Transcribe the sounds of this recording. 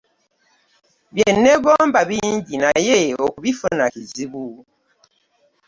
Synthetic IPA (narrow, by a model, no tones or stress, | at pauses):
βjenːeɡoːmbaβiːɲɟinajeokuβifonakiziβu